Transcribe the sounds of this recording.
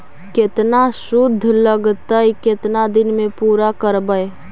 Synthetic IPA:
kɪt̪naʃʊd̪ʱːləɡt̪əikɪt̪nad̪ɪnmẽpuːɾakəɾbəe

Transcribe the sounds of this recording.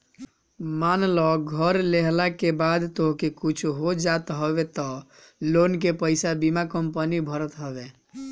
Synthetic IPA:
manlɔɡʱəɾleɦlakebad̪t̪oɦkekut͡ʃʰɦod͡ʒat̪ɦəbet̪ɔ | lonkepəɪsabimakəmpənibʱəɾət̪ɦəbe

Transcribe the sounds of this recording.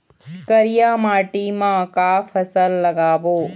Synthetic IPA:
kəɾijaːmaːʈimãkaːfʰɐsəlːəɡaːʋoː

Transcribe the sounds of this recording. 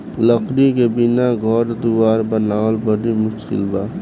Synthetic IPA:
ləkʰɾikebɪnaɡʱɔɾd̪uwaːɾbənaːlbəɽimʊʃkɪ̰lbaː

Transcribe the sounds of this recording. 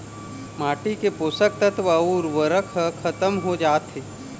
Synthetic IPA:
maːʈikepoːsək̚t̪ət̪ʋəuɾʋəɾəkʰəkʰɐt̪əmɦod͡ʒaːt̪ɦeː

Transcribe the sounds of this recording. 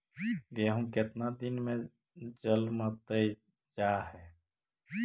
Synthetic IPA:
ɡeːɦũkɪt̪nad̪ɪnmẽ | d͡ʒəlmət̪əi | d͡ʒaːhɛ

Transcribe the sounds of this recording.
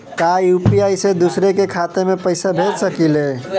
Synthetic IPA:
kajupiajsed̪usɾekekʰat̪emepəɪsabʱet̪səkile

